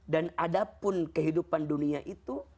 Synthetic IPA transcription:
danadapʊnkəɦidupanduniaʔit̪u

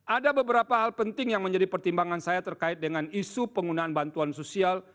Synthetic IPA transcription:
ʔadabəbəɾapaɦalpənt̪ɪŋjaŋməɲd͡ʒadipərt̪imbaŋansajat̪ərkaɪt̪̚dəŋanisupəŋɡunaːnbant̪uansosial

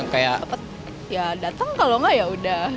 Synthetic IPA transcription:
ŋkajaəpət̪̚ | jadat̪əŋkaloŋajauda

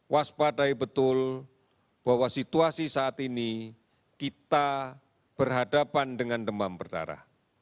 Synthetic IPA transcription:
waspadaibət̪ʊl | b̥aɦwasit̪uasisaːt̪ini | kit̪a | b̥ərɦadapandəŋandəmampərda̰ɾa̰h

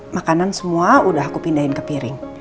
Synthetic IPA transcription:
makanansəmuaudaɦakupindaɦɪnkəpiɾɪŋ

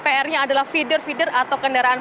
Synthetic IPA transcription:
peɛrɲaːdalahfidərfidərat̪awkəndaɾaan

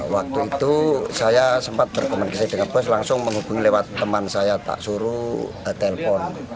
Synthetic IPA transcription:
wak̚t̪uit̪usajasəmpat̪̚b̥ərkəmankəsɛdəŋanpɛs̬laŋsʊŋməŋɦub̥uŋilewat̪ːəmansajat̪a̰ʔsuɾu | t̪ɛlfɔn

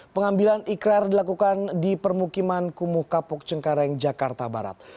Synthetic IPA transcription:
pəŋambilanikɾardilakukandipərmukimankumʊhkapʊk̚t͡ʃəŋkaɾɛŋd͡ʒakart̪aba̰ɾa̰t̪̚

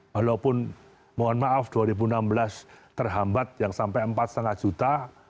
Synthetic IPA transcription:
walopʊn | moanmaʔafd̪̥uaɾibunambəlast̪ərɦambat̪̚jaŋsampɛjəmpat̪̚səŋahʒ̥ut̪a

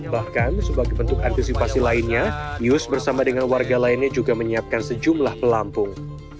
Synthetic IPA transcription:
bahkansəbaɡajbənt̪ʊk̚ant̪isipasilaɪnɲajʊsbərsamadəŋanwarɡalaɪnɲad͡ʒuɡaməɲiap̚kansəd͡ʒumlahpəlampʊŋ

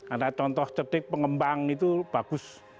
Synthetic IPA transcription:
adat͡ʃɔnt̪ɔht͡ʃəɖ̥ɪk̚pəŋəmbaŋit̪ub̥a̤ɡ̥ʊs

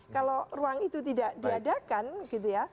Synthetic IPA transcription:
kaloruaŋit̪ut̪idaʔdiadakanɡ̥it̪uja

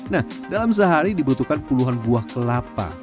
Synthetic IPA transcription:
nah | dalams̬əɦaɾidibut̪ukanpuluɦanbuahkəlapa̰

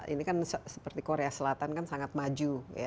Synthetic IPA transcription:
ḭnikansəsə̥pərt̪ikoɾeasəlat̪ankansaŋat̪̚mad͡ʒuja̰

